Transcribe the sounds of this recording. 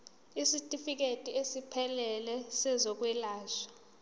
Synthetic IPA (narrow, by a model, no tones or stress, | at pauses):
isitʼifik̬etʼiesipʰɛlɛlɛsɛzɔk̬ʼwɛlaːʃḁ